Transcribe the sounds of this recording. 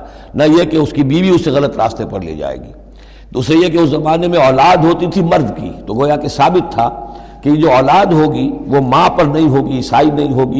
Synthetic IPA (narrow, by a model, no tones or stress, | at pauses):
nɐjekeʊskibiːʋiʊsːeɣɐlət̪ɾa̰ːst̪epɐɾlḭːd͡ʒa̰ːḛːɡiː | d̪uːsɾejekeʊszɐmaːnemẽɔːlaːd̪ɦoːt̪it̪ʰimɐɾd̪kḭt̪oɡoːjakesaːbɪt̪ʰːa | kejed͡ʒoːɔːlaːd̪ɦoːɡiʋomãpɐɾnɐɦĩɦoːɡisaːinɐɦĩɦoːɡi